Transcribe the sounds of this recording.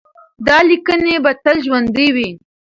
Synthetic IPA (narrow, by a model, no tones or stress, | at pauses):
d̪ɑlikənebat̪alʒwand̪iwi